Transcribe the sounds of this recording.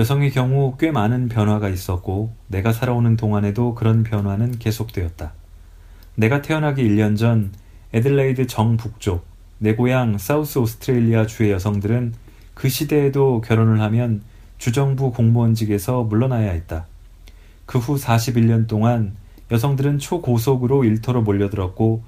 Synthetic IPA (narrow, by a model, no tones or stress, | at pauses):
jʌsʰʌŋekjʌŋuk͈we̞manɯnpjʌnɦwaɡais͈ʌk̚k͈one̞ɡasʰaɾaonɯntoŋɦane̞dokɯɾʌnpjʌnɦwanɯnke̞sʰok̚t͈we̞ʌt̚t͈a | ne̞ɡatʰe̞ʌnɦaɡiːʎːʌnd͡ʑʌn | edɯɭːeidɯt͡ɕʌŋpuk̚t͡ɕ͈ok̚ | ne̞ɡojaŋs͈aus͈ʰɯosʰɯ̥tʰɾeʎːiat͡ɕue̞jʌsʰʌŋdɯɾɯn | kɯɕʰide̞ːdokjʌɾonɯɭhamjʌn | t͡ɕud͡ʑʌŋbukoŋbʌnd͡ʑiɡe̞sʰʌmuɭːʌnajaɦet̚t͈a | kɯɸusʰaɕʰibiʎːʌnt͈oŋan | jʌsʰʌŋdɯɾɯnt͡ɕʰokosʰoɡɯɾoiɭtʰoɾomoʎːʌdɯɾʌk̚k͈o